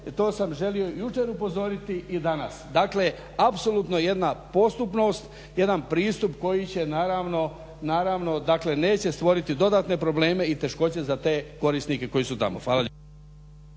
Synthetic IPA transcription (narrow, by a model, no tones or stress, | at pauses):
t̪o̞ːsamʒe̞lio̞jut͡ʃe̞ɾupo̞zo̞ɾit̪iʔid̪anasd̪akle̞ | apso̞lˠuːt̪no̞je̞d̪napo̞st̪upno̞st̪ | je̞d̪anpɾiːst̪upko̞jit͡ɕe̞naːɾaʋno̞ | naːɾaʋno̞d̪akle̞ne̞ːt͡ɕe̞st̪ʋo̞ɾit̪id̪o̞d̪at̪ne̞pɾo̞ble̞ːme̞it̪e̞ʃko̞t͡ɕe̞zat̪e̞ːko̞ɾisnike̞ko̞jisut̪amoxʋaːlaʎ